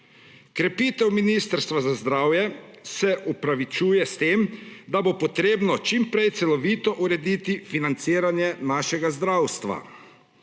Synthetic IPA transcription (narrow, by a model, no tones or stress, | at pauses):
kɾɛpiːt̪ɛwminiːst̪əɾst̪ʋazazd̪ɾaːwjɛsɛʔupɾaʋit͡ʃuːjɛst̪eːmd̪abopɔt̪ɾeːbnɔt͡ʃimpɾɛjt̪sɛlɔʋiːt̪ɔʔuɾɛd̪iːt̪ifinant̪siːɾanjɛnaːʃɛɡazd̪ɾawst̪ʋa̰